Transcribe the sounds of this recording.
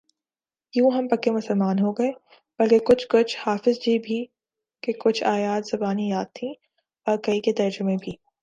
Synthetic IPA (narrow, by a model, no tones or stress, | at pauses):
jũːɦɐmpɐkːemʊsəlmaːnɦoɡɐeː | b̥ɐlkekʊt͡ʃʰkʊt͡ʃʰhaːfɪzd͡ʒiːbʱi | kekʊt͡ʃʰaːjaːt̪z̥ɐbaːnijaːt̪t̪ʰːĩ | ɔːɾkɐiket̪ɐɾd͡ʒʊmẽbʱiː